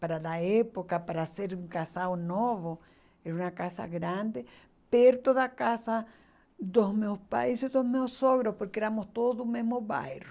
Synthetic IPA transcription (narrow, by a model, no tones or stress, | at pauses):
paɾalaepokapaɾaseɾuŋkasaonoβo | eɾunakasa̰ɣɾãnd̪e | peɾt̪oðakasa | d̪osmeospa̰jsiðohmeosoɣɾopoɾkeeɾamost̪oðoðumezmoβa̰jro